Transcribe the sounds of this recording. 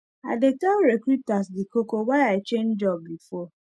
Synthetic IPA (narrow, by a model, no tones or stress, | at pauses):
a̰detaɾekɾutasdɪkokowaɪaɪt͡ʃen̩d͡ʒɔbːifɔ